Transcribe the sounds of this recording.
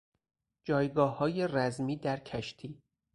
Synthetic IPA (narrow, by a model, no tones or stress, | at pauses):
d͡ʒɒːjɡɒːhɒːje̞ræzmiːd̪æɾcʰæʃt̪ʰiː